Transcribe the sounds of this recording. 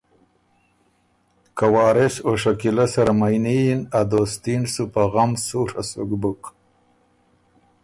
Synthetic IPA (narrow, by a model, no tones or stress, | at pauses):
kawɑːɾeʃoʂakilasaɾamajnijinad̪ost̪insupaɣamsuɾa̰suɡbuk